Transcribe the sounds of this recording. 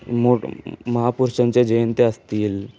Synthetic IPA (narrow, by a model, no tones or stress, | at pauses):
moməɦapuɾɕənt͡ɕed͡ʑent̪eəst̪iːl